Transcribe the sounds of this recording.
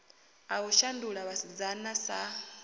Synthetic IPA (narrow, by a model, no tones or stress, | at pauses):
auʃanduɺaβasid͡zanasa